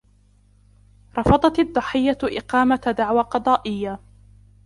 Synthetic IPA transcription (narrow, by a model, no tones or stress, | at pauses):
ɾˤɑfɑd̪ˤɑt̪ɑd̪ˤːɑħɪjːaʔɪqɑːmad̪aʕwaqɑd̪ˤɑːʔɪjːa